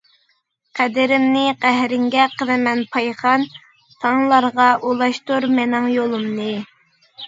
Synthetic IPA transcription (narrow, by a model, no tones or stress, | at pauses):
qʰæd̪ɪɾɪmnɪqæɦɾɪŋɡʲɛqʰənɨmɛnpʰɑjχɑn | t̪ʰɑŋlˠɑɾʁɑʔulˠɑʃt̪uɾmɛnɪŋjolˠumnɨ